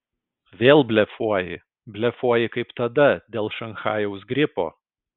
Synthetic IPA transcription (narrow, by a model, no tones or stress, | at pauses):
ʋʲeːlˠbʲlʲɛfuɔjɪ | bʲlʲɛfuɔjɪkɐɪpt̪ɐd̪ɐd̪ʲeːlˠʃɐnxɑːjɛʊsɡɾʲɪpo̰ː